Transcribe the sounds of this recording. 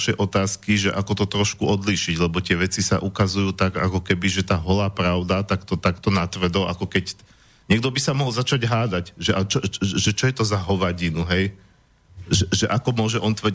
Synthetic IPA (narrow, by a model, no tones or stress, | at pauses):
ʃɛjʔɔt̪aːskiʒɛʔakɔt̪ɔt̪ɾɔʃkuɔd̪liːʃiɟlɛbɔt̪ɪɛʋɛt͡sisa̰ʔukazujuːt̪aɡa̰kɔkɛbiʒɛt̪aːɦɔlaːpɾaʊd̪at̪akt̪ɔt̪akt̪ɔnat̪ʋr̩d̪ɔlʔakɔkɛc | ɲɛɡ̚d̪ɔbisamɔɦɔlzat͡ʃaɟɦaːd̪acʒɛʔat͡ʃɔʒɛt͡ʃɔjɛt̪ɔzaɦɔʋaɟinuɦɛj | ʒɛʒɛʔakɔmʊɔʒɛʔɔnt̪ʋr̩